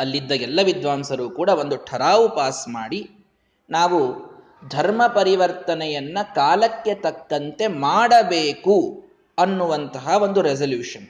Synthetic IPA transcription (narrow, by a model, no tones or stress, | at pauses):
ɐlːid̪ːɐɡɛlːɐʋid̪ʋaːmsɐɾuːkuːɽɐʋo̞nd̪uʈʰɐɾaːʋupaːsmaːɽi | naːʋu | d̪ʱɐɾmɐpɐɾiʋɐɾt̪ɐnɛjɐnːɐkaːlɐkːe̞t̪ɐkːɐnt̪e̞maːɽɐbeːku | ɐnːuʋɐnt̪ɐɦɐʋo̞nd̪uɾɛsɐljuːʂɐn